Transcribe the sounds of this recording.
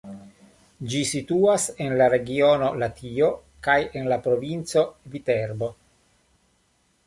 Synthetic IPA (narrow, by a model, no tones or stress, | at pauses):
d͡ʒisit̪uːasenlaɾeɡioːnolat̪ʰiːo | kajenlapɾovint̪sovit̪ɛrbo